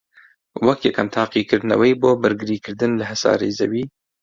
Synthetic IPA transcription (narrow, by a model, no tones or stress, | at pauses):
wɐkjɛkʰɛmt̪ʰɑːqiːkɨɾd̪nɐ̰wɛjboːbɨɾɡɨɾiːkɨɾd̪ɨnlɨɦɛsɑ̰ːɾeːzɛ̰wiː